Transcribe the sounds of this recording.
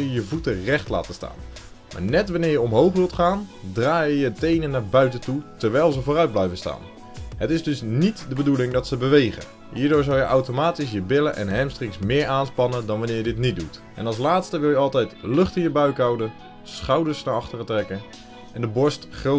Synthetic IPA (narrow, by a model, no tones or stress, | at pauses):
jəjəvutərɛχtla̰ːtəsta̰ːn | ma̰ːɹnɛtʋɑnɪːɹjəɔmɦowχʋɪlˠtχaːndraːjəjətejnənːaːɹbœɥtətutəɹʋɛjlˠzəvoːrœɥd̚blɛjvənsta̰ːn | ɦətɪzdɵsnitdəbədulɪŋdɑtsəbəʋejχə̰ | ɦiːɹdʊːɹzɑlˠjəʔawtomaːtis̬jəbɪləʔɛ̰nɦɛmstrɪksmɪːɹʔaːnspɑnədɑnʋɑnɪːɹjədɪtnitdutʔɛ̰nɑlˠslaːtstəʋɪlˠjəɑlˠtɛjtlɵχtɪnjəbœɥkawdə | sχɑwdəsnaɑχtərətrɛkə | ʔɛndəbɔɹstχro